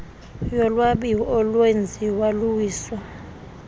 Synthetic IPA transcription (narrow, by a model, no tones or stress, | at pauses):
jɔlwaɓiɔlwend͡zʱiwaluwiːswa